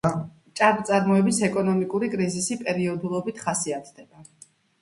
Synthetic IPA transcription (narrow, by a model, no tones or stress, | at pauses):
t͡ʃʼaɾt̪sʼaɾmɔɛbisɛkʼɔnɔmikʼuɾikʼɾizisipʼɛɾiɔd̪ulˠɔbit̪ʰχasiat̪ʰd̪ɛba